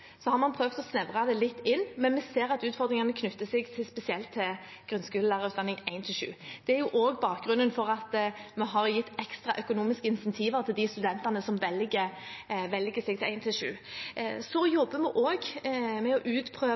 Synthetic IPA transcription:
sɔhɑɾmɑnpʰɾøːʋt̪ɔsnɛʋʁɑd̪ɛlɪt̪ːɪnːmɛnmɛseːɾɑt̪ʉːt̪fɔɾd̪ɾɪŋɑnəkʰnʉt̪ːəsɛɡt̪ʰɪspɛsɪɛlt̪ʰːɪl | ɡ̥ɾʉnskʉːləlæːʁəʁʉːɑnːɪŋæɪnt̪ʰɪʂʉ̰ːd̪̥ɛæɾjʊʔoːɡbɑːk̚ɡɾʉnːənfɔɾɑt̪mɛɦɑɾjɪt̪ːɛkst̪ʁɑʔœkʊnuːmɪskəɪnsɛnt̪ʰiːʋəɾt̪ʰɪld̪ɪst̪ʉd̪ɛnt̪ɑnəsɔmʋɛlɡəʋɛlɡəsɛɡ̚t̪ɪlæɪnt̪ʰɪlʂʉ̰ːsɔjɔbːəmɛʔoːɡmɛɔʔʉːt̪pʰɾøː

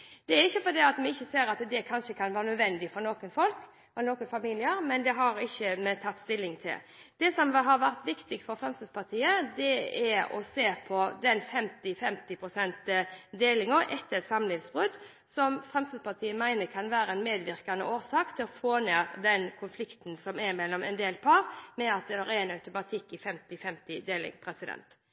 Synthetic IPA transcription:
d̪̥ɛæɾɪçːəfɔd̪iɑt̪mɛɪçːəseːɾɑt̪d̪ɛkʰɑnʃəkʰɑnʋæːɾənœd̪ʋɛnd̪ɪfɔɾnoːkənfɔlk | noːkənfɑmiːlɪəɾmɛnd̪ɛɦɑɾɪçːəmɛt̪ʰɑt̪ːst̪ɪlːɪŋt̪ʰɪ̰ld̪̥ɛsɔmɦɑɾʋæɾt̪ʋɪkt̪ɪɡfɔɾfɾɛmst̪əspʰɑʁt̪ʰiːəd̪ɛæɾɔ̰seːpʰɔd̪ɛnfɛmt̪ɪfɛmt̪ɪpʰɾʊsɛnt̪d̪eːlɪŋɔʔɛt̪ːət̪sɑmlɪnsbʁʉd̪ | sɔmfʁɛmst̪əspʰɑʁt̪ʰiːəmæɪnəkʰɑnʋæːɾəɛnmeːd̪ʋɪʁkɑnə̰ʔoːɾsɑːkt̪ʰɪlɔfoːnæːʁd̪ɛnkʰʊnflɪkt̪nsɔmɛɾmɛlːɔmɛ̰nd̪eːlpʰɑʁmɛɑt̪̚d̪ɛd̪ɑʁɛɛnɑʉt̪ʊmɑt̪ʰɪkːɪfɛmt̪ɪfɛmt̪ɪd̪eːlɪ̰ŋpʰɾɛsɪd̪ɛ̰nt̪

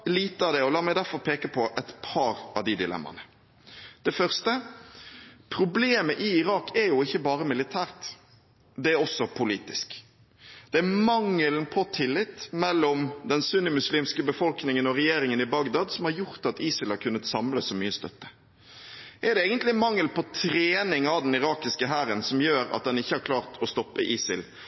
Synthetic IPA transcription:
liːt̪əɑʋd̪ɛɔlɑːmɛɪd̪æɾfɔɾpʰeːkəpʰɔʔɛt̪pʰɑːɾɑʋd̪id̪ɪlɛ̰mːɑ̰nə | d̪̥ɛfœʁst̪ə | pʰɾʊbleːməʔɪɪɾɑːkɛɾjʊɪçːəbɑːɾəmɪlɪt̪ʰæːɾt̪ | d̪ɛæɾɔsːɔpʰʊliːt̪ɪsk | d̪̥ɛæmɑŋːəlnpʰɔt̪ʰɪlːɪt̪ːmɛlːɔmd̪ɛnsʉnəmʉsliːmskəbəfɔlknɪŋənɔɾɛjeːɾɪŋənɪbɑɡd̪ɑd̪sɔmhɑɾjʊɾt̪ɑt̪iːsɪlhɑɾkʰʉnːət̪sɑmləsɔmyːəst̪œt̪ːə̥ | ʔɛɾd̪ɛeːɡənt̪lɪmɑŋːəlpʰɔt̪ʰɾeːnɪŋɑd̪ɛnɪɾɑːkɪskəɦæːɾənsɔmjøːɾɑ̰t̪̚d̪ɛnɪçːəhɑɾkʰlɑːʁt̪ʰɔst̪ɔpːəʔiːsɪ̰l

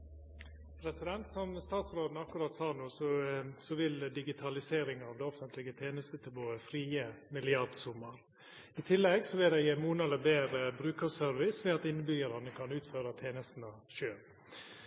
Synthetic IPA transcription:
pʰɾɛsɪd̪ɛnt̪sɔmst̪ɑːt̪sɾoːd̪n̩ɑkːʊɾɑt̪sɑːɾnuːsɔsɔʋɪld̪ɪɡɪt̪ʰɑlɪseːɾɪŋɑʋd̪ɛɔfənt̪ʰlɪɡət̪ʰeːnəst̪ət̪ʰɪboːəfɾiːəmɪlɪɑɾɖsuːməɾ | ɪt̪ʰɪlːɛɡsɔʋɪld̪ɛɪəmuːnɛləbeːɾəbɾʉːkəsœɾʋɪsʋɛɑt̪ɪnːəbyːəɾɑnəkʰɑnʉːt̪føːɾət̪ʰeːnəst̪n̩ɑʃøːl

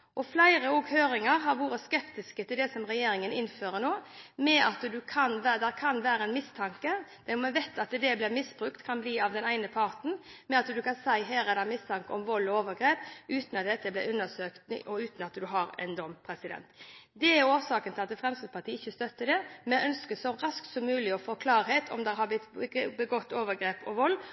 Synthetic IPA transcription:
ʔɔflæɪɾəɔːɡhøːɾɪŋɑɾɦɑɾʋuːɾəskɛpt̪ɪskət̪ʰɪld̪ɛsɔmʁɛjeːɾɪŋənɪnføːɾənoːmɛʔɑt̪d̪ʉkʰɑnʋæd̪ɛkʰɑnʋæːɾəɛnmɪst̪ʰɑŋkəd̪̥ɛmʋɛt̪ːɑt̪d̪ɛblɪmɪsbɾʉkt̪kʰɑnbliːɑʋd̪ɛnæɪnəpʰɑʁt̪n̩mɛɑt̪d̪ʉkʰɑnsæɪɦæːɾɛd̪ɛmɪst̪ʰɑŋkəɔmʋɔlːɔoːʋəɾɡɾeːpʉːt̪nɑt̪̚d̪ɛt̪ːəblɪʉnəsøːkt̪ɔʉːt̪n̩ɑt̪d̪ʉɦɑɾɛ̰nd̪ɔmpʰɾɛsɪd̪ɛ̰nt̪d̪ɛæɾoːsɑːkənʰɪlɑt̪ɛfʁɛmst̪əpʰɑt̪ʰiːəɪçːəst̪œt̪ːəd̪ɛmɛʔœnskəsɔɾɑskt̪sɔmːʉːlɪɔfoːkʰlɑːɾheːt̪ʰɔ̰md̪ɛhɑblɪt̪ːbəɡɔt̪ːoːʋəɡɾeːpɔʋɔlː

